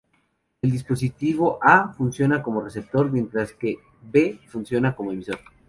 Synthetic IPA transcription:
e̞ld̪ispo̞s̬it̪iβ̞o̞ʔafunsjo̞nako̞mo̞re̞se̞p̚t̪o̞ɾmje̞nt̪ɾaske̞ | be̞funsjo̞nako̞mo̞emiso̞ɾ

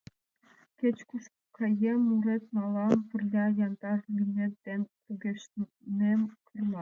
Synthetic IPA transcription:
kʲet͡ɕkuʃk | kʰɑjemuɾet̪mɑlˠɑmpə̆rlʲɑjɑnt̪ɑlʲimʲent̪ːenpuɡʲeʃ | nemkʰɯrmɑ

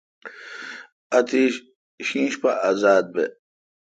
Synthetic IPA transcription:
ɐt̪ʰi | ɕĩːɕpaʔazaːd̪̚be

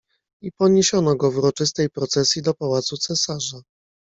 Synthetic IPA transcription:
ipɔɲeɕɔnɔɡɔvuɾɔt͡ʂɘs̬t̪ɛjpɾɔt̪sɛsʲjid̪ɔpawat̪sut̪sɛsaʐa

